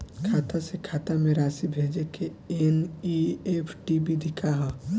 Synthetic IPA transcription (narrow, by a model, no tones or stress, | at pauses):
kʰaːt̪ʰasekʰaːt̪amẽɾaːsibʱeːd͡ʒeke | eniepʰʈibʱid̪ʱɪkʰaɦɛ